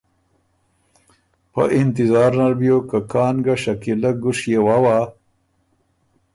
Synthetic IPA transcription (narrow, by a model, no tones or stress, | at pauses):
pə̰ʔɪnt̪ɪzɑːɾnaɾbjokakɑːnɡaʃakilaɡʊʂjewawa